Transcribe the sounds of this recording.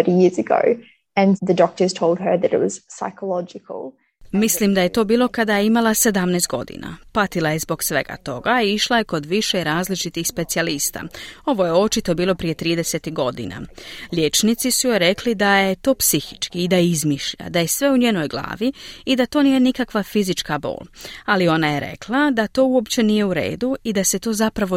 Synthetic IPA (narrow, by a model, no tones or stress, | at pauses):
əɾijɪɹzɨɡo̰ʊ | ɨ̃nðɨdɔk̚tə˞z̥tʰoʊlˠd̚ə˞ðɨɾɪ̰t̚wʌz̥saɪkʰəlɑd͡ʒɪkʰəl̩ˠ | mislimd̪aje̞t̪o̞ːbiːlˠo̞kad̪ajeimalˠase̞d̪amneːst̪̚ɡo̞̰d̪ḭna̰pat̪ilˠaje̞zbo̞ɡsʋe̞̰ɡa̰t̪o̞ɡaiiʃlˠaje̞ko̞d̪ʋiʃeiɾaːzlit͡ʃit̪ixspe̞t̪sialist̪a̰o̞ʋo̞je̞o̞t͡ʃit̪o̞biːlˠo̞pɾije̞t̪ɾiːd̪ese̞t̪iɡo̞d̪ḭna̰ʎje̞t͡ʃnit̪sisujoɾe̞klid̪aje̞t̪o̞ːpsixi̥t͡ʃkiːd̪aizmiʃʎa̰d̪aje̞sʋe̞uɲeːno̞jɡlˠa̰ːʋiːd̪at̪o̞ːnije̞nikakʋafizit͡ʃkabo̞̰ːlalio̞naje̞ɾḛklˠad̪at̪o̞ːuo̞pt͡ɕe̞nije̞uɾe̞̰ːd̪uid̪ase̞t̪o̞ːzapɾaʋo